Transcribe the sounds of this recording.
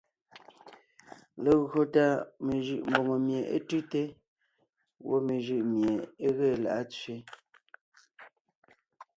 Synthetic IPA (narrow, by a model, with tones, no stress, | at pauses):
le˨ɣɰo˨ta˦me˨ʒʉ˨ʔm̩˨bo˨ŋo˨mje˨ʔḛ˦tʉ˦te˦ | wo̰˦me˨ʒʉ˦˨ʔmje˨e˦ɣe˦˨la̰˨ʔa˦t͡sɥe˦